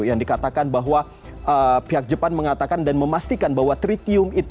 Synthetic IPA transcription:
jaŋdikat̪akanbaɦwa | ʔəpiɦak̚d͡ʒəpanməŋat̪akandanməmast̪ikanbaɦwat̪ɾit̪iʊmit̪

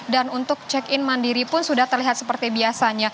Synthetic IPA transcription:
danunt̪ʊk̚t͡ʃɛkɪnmandiɾipʊnsudaht̪ərliɦat̪̚səpərt̪ibiasaɲa

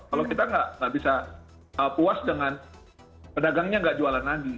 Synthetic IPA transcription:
kalawkit̪aŋɡaʔŋɡaʔbisa | əpuasdəŋan | pədaɡaŋɲaŋɡaʔd͡ʒualanlaɡi

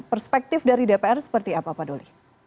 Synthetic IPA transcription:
pərspɛk̚t̪ɪfdaɾidepeɛrsə̥pərt̪iapapadolḭ

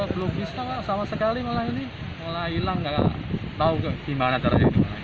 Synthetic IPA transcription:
blubisaasamasəkalimolaɦini | molailaŋɡa̰t̪aukkimanat̪aɾad͡ʒadimala

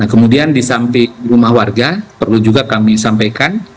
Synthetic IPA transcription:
nahkəmudiandisampɪŋrumahwarɡapərlud͡ʒuɡakamisampajkan

